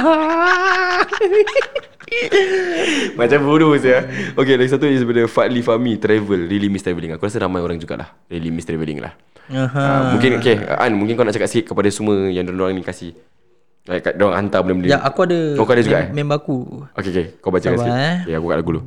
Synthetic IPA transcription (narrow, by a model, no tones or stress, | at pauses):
a | mat͡ʃambulusaokelaɡis̬at̪uisəbədajfalifamit̪ɾɛvəlɾilimist̪ɾɛvəliŋakuɾasəɾamajoɾaŋd͡ʒuɡa̰ʔla̰h | ɾilimist̪ɾɛvəlḭŋla̰h | əɦəmũŋkɪnokeə̰ʔa̰nmũŋkɪnkawnaʔt͡ʃakat̪sikiʔ̪̚kəpadasuməjaŋdoɾaŋdoɾaŋnĩkasi | aʔkadoɾaŋa̰nt̪abənaməndijaʔakuadəkakaadad͡ʒuɡɡaʔmɛ̃mbakuokekekawbat͡ʃaakeakuka̰ʔlaɡulu